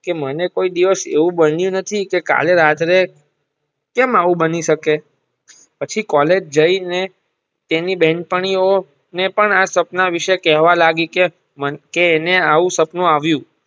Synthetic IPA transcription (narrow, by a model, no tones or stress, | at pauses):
kemənekoid̪iʋəsḛʋũbənjũnət̪ʰikeka̰leɾat̪ɾe | kɛmaʋũbəniʃəke | pət͡ʃʰikɔled͡ʒd͡ʒəine | t̪enibɛ̃ɳʈ̚pəɳ̃io | nepəɳasəpnaʋiʃekɛɦʋalaɡike | məkeːneaʋũsəpnuaʋjũ